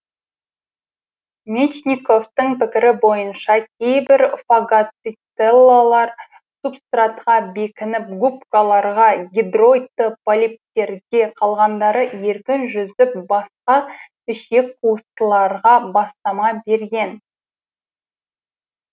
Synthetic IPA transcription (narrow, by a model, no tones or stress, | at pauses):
mʲet͡ʃnʲiko̞ft̪əŋpɪkʲɪɾɪbo̞jənʃɑkʲʰe̞jbɪɾfaɡat̪sit̪selˠːalˠɑɾ | supst̪rat̪qɑbe̞kʲɪnɪp̚ɡupkalˠɑɾʁɑɡʲid̪ro̞jt̪ːəpolʲip̚t̪e̞ɾdʲe̞qʰɑlˠʁɑnd̪ɑɾəje̞ɾkʲɪnʒʏzɪp̚bɑsqɑ | ɪʃekqʰuəst̪əlˠɑɾʁɑbɑst̪ɑmɑbe̞ɾɡʲe̞n